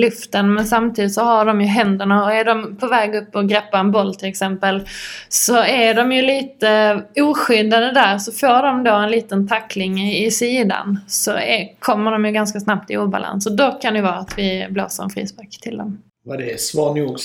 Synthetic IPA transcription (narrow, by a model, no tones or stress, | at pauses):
lɵft̪ənmɛnsamt̪ʰiːd̪ɪt̪sɔɦaɖɔmjɵɦɛnd̪əɳaɔæɖɔmpʰɔvɛːɡɵpːɔɡɾɛpːaɾɛnbɔlːt̪ʰɪlɛksɛmpəlsɔæɖɔmjɵliːt̪əuːɧʏd̪ad̪əd̪æɾsɔfoːɖɔmd̪oːɛnliːt̪ənt̪ʰakːlɪŋɪsiːd̪a̰nsɔɛ̰kʰɔmːəɖɔmjɵɡanskasnap̚t̪ʰɪuːba̰la̰nsɔd̪ɔkʰand̪ɛjvɑːɾaat̪vɪblo̰ːsəɾɛ̰nfɾḭːsbakt̪ʰɪld̪ɔm | vad̪ɛsvɑːnuɡ